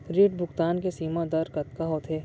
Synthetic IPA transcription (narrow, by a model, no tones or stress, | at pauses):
ɾeːʈbʱʊkt̪aːnkesiːmãd̪ɐɾkɐt̪̚kaɦoːt̪ʰeː